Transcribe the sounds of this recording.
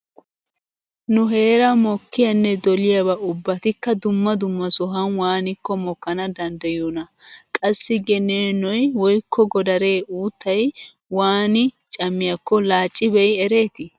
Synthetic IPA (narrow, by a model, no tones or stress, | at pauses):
nʊɦe̞ːɾɐmɔkːɪjɐnːɛd̪ɔlɪjɐbɐʔʊbːɐt̪ɪkːɐd̪ʊmːɐd̪ʊmːɐsɔɦɐnwaːnɪkːɔmɔkːɐnɐd̪ɐnd̪ɐjonɐkʼɐsːɪɡɛneːnɔjwɔjkʰːɔɡɔd̪ɐɾe̞ːʔuːt̪ʰːɐj | waːnɪ | t͡ʃʼɐmːɪjɐkːɔlaːt͡ʃʼːɪbɛjɛɾe̞ːt̪ɪ